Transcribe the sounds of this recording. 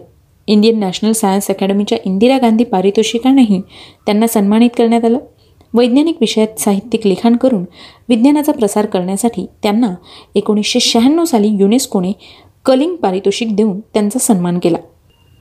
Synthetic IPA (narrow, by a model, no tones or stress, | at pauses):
ind̪ijənːæɕnəlsajãnsɛkæɽəmit͡ɕjaʔind̪iɾaɡand̪ʱiːpaɾit̪oɕikanaɦit̪janːasənmaɽ̃it̪kəɾɳjat̪aləː | ʋəjd̪njanikʋiɕəjat̪saɦit̪ːjiklikʰaɳkəɾuːn | ʋid̪njanat͡sapɾəsaɾkəɾɳjasaʈʰiːt̪janːaekoɽ̃isɕeɕaɦənːəʋsaliːjuneskoɽ̃e | kəliŋɡpaɾit̪oɕik̚d̪ʱeũːnt̪jant͡sasənmankela̰